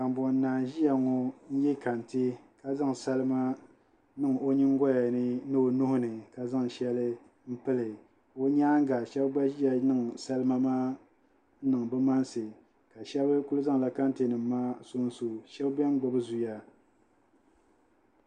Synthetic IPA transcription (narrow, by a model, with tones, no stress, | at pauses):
ka˨m˨bɔ˨n˦naː˨ʒi˦ja˨ŋɔ˨n̩˦jɛ˦ka˨n˨tɨ˦ka˦za˦ŋ˨sa˦lɨ˦ma˦ | nɨ˦ŋ˨o˦ɲɪ˦ŋ˦ɡɔ˦ja˨nɨ˦nɨ˦o˨nʊ˦hʊ˦nɨ˨ka˨za˦ŋ˨ʃɛ˦lɨ˦ | m̩˦pɨ˦lɨ˨ | o˦ɲaː˦ŋ˦ɡa˨ʃɛ˦bba˦ʒi˦ja˨nɨ˦ŋ˨sa˦lɨ˦ma˦maː˦ | nɨ˨ŋ˨bɨ˦ma˦n˦sɨ˨ | ka˨ʃɛ˦bɨ˦ku˦lɨ˦za˦ŋ˨la˦ka˦n˦tɨ˨nɨ˨mː˦aː˦so˦n˦su˨ʃɛ˦bbɛ˦m˦ɡ͡bʊ˨bɨ˦zu˨ja˦